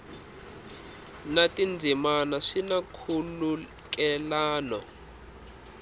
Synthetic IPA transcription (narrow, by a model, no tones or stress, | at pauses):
natʼind͡zʱimanaʂinakʰulu | k̬ʼɛlaːnɔ